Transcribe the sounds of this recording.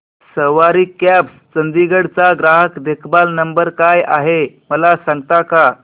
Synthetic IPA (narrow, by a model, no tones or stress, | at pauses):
səʋaɾikːæpst͡sənd̪iɡəɽt͡saɡɾaɦəkd̪ekʰbalnəmbəɾkaja̰ɦeməlasãŋɡt̪aka